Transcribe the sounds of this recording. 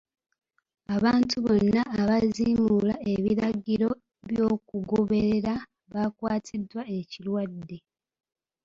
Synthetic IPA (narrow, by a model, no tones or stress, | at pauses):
aβaːntʰuβo̞nːaːβaziːmulae̞βiɾaɟiɾo̞ | βjo̞ːkuɡoβe̞ɾeɾa | βakwaːtʰidwae̞cilwadːe̞